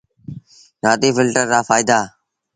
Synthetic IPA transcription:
ɾaːd̪iːfɪlʈəɾd̪aːfaːɪd̪aː

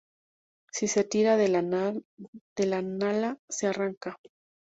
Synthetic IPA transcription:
sise̞t̪iɾað | d̪̥elanalasearaŋka

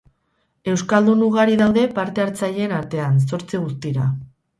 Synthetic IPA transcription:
e̞wskald̪unuɣ̞aɾiðawðe̞paɾt̪e̞aɾt͡saʎe̞ːnaɾt̪e̞ans̬o̞ɾt͡siɣ̞ust̪iɾa̰

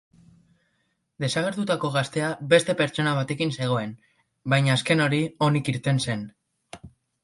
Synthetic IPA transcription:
d̪e̞saɣ̞e̞ɾt̪ut̪ako̞ɣ̞ast̪e̞aβe̞st̪e̞pe̞ɾt͡ʃo̞naβ̞at̪e̞kinse̞ɣ̞o̞e̞n | bajɲaːske̞no̞ɾio̞nikiɾt̪e̞nse̞n

